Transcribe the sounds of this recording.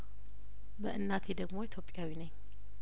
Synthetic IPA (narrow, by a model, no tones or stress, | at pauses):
bəʔɨnːat̪ʰe̞d̪əɡmo̞it̪ʰjo̞pʼːjawinəɲː